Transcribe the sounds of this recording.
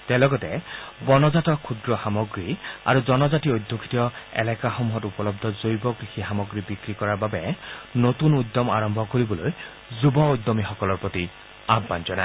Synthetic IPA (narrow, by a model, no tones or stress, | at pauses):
tɛlɔɡɔtɛbɔnɔzatɔkʰːud̪ɹɔxamɔɡɹia̰ɹuzɔnɔzatiojd̪ʱjokʰi̥tiɔɛ̰lɛkaxɔmuɦɔtupɔlɔb̚d̪ʱɔzojbɔkɹixixamɔɡɹibikɹikɔɹaɹbabɛnotunujd̪ːɔma̰ɹɔmbʱɔkoɹibɔloj | zubɔojd̪ːɔmixɔkɔlɔɹpɹot̪i | abːanzɔnaɪ